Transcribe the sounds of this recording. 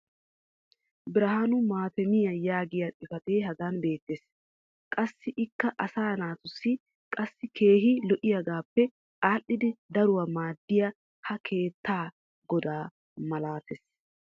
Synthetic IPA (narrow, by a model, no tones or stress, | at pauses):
bɪɾɐɦaːnʊmaːt̪ɛmɪjɐjaːɡɪjɐtʼɪfɐt̪eːɦɐɡ̪ɐnbe̞ːt̪ːeːs | kʼɐsːɪʔɪkːɐʔɐsaːnaːt̪ʊsːɪ | kʼɐsːɪkʰe̞ːɦɪlɔʔɪjɐɡaːpːɛ | ʔaːʔːɪd̪ɪd̪ɐɾʊwɐmaːd̪ːɪjɐ | hɐkʰe̞ːt̪ːaː | ɡ̥ɔd̪aː | mɐlaːt̪es